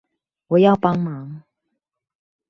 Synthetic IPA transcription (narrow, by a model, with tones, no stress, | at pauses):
wɔ˨˩jɑ˥˨ʊpɑ˥ŋmɑ˨˧˦ŋ